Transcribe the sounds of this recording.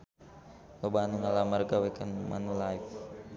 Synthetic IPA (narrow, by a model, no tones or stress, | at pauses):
lobanuŋalamarɡawekanma̰nulajf